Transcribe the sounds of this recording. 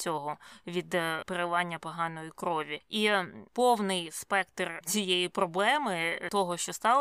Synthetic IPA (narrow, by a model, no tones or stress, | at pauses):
t͡sʲɔɦɔʋʲid̪peɾɪlˠɑnʲːɐpɔɦɑnɔjikɾɔʋʲiipɔwnɪjspɛkt̪rt͡sʲijejipɾɔblˠɛmɪt̪ɔɦɔʃt͡ʃɔst̪ɑlˠ